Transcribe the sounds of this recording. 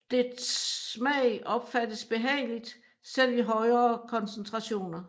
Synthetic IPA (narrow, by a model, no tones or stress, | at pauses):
d̥e̥smɛɪʔɒ̽b̥fæd̥əsb̥e̝ɦɛ̰ɪlid̥ | sel̰iɦɒ̽ɪɐːkʰɒ̽nsnt͡sʰʁɑ̈ɕo̝̰ːnɐ